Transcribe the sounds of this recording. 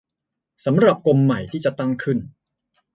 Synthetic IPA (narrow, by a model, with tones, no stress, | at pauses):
sa˩˦mɾa˨˩p̚ko˧mːa˨˩jt̪ʰiː˥˩t͡ɕa˨˩t̪a˥˩ŋkʰɯ˥˩n